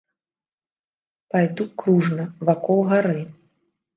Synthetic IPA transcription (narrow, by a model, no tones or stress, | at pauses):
pajd̪ukɾuʐnɐvakɔlˠɣaɾɨ